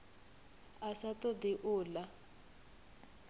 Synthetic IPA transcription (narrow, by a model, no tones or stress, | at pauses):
asatɔd̪iʔʊːla